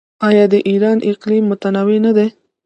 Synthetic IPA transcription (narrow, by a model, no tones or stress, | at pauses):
ɑjɑd̪əʔiɾɑnʔɪqlimːʊt̪anɑwenad̪e